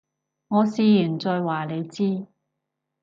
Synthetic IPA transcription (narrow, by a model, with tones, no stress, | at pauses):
ŋɔː˨˧siː˨˧jyː˨˩nt͡sɔː˧jwaː˨˩le˨˧jt͡siː˥